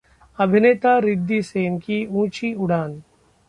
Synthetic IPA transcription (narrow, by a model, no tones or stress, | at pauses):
ɐbʱɪneːt̪aɾɪd̪ːiseːnkiũːt͡ʃiʊɽ̤aːn